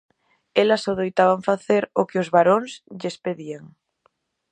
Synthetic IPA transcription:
elasoðejt̪aβ̞aɱfaθeɾokeozβaɾonsʎespeðieŋ

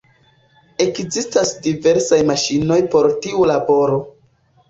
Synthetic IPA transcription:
e̞kzistasdive̞ɾsajmaʃino̞jpo̞ɾtiulabo̞ɾo̞

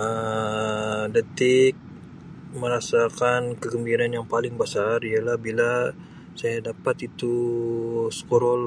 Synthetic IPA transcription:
ə | dət̪ɪk̚ | məɾasakankəɡəmbiɾanjaŋpalɪŋbasarialahbila | sajadapat̪it̪u | sə̥koɾɔl

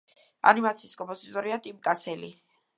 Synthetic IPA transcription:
a̰nimat̪sʰiːskʼɔmpʼɔzit̪ʼɔɾiat̪ʼimkʼasɛli

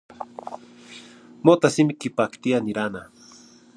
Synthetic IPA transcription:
mot̪asimikipakt̪ianiɾana

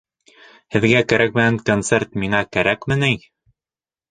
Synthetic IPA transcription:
hɘ̆ðɡækæɾæk̚mɘ̆næŋkont̪sert̪miŋɑkæɾækmɘnij

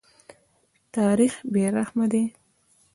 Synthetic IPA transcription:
t̪ɑɾixbeɾaxmad̪e

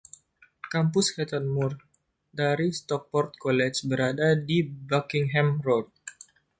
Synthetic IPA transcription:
kampʊskɛt̪ərmʊr | daɾist̪ɔk̚pɔrt̪̚kɔlɛt͡ʃbəɾadadibakɪŋɦɛmrɔd̪̚

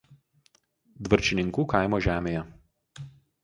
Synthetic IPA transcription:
d̪ʋɐɾʲt͡ʃʲɪnʲɪŋkuːkɐɪmoːʒʲæːmʲeːjɛ

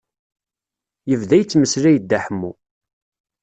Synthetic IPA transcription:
jəvðæjət͡sːməslæjəd̪ːæħəmːu

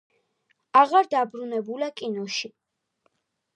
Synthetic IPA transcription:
aʁaɾd̪abɾunɛbulakʼinɔʃi

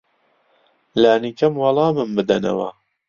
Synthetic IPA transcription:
laːnikʰɐmwɑlˠɑːmɨmbɨd̪ɐnɐ̰wɐ̰

